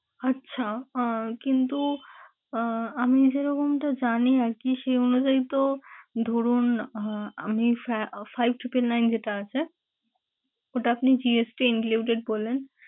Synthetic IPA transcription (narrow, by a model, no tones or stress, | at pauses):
ətːɕʃʰakint̪u | amid͡ʑeɾɔkomʈad͡ʑaniaɾkiʃeonud͡ʒait̪od̪ʱoɾun | amifajb̚ʱʈipelnajnd͡ʑeʈaat͡ɕʰe | oʈaapnid͡ʑiesʈiinkluwʈeɖ̚bolːen